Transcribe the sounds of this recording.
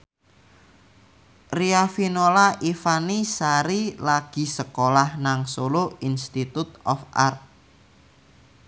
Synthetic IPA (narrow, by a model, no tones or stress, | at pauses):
riafinolaʔifanisaɾilaɡ̥i̤səkolahnaŋsoloinst̪it̪ut̪̚ɔfʔa̰rt̪̚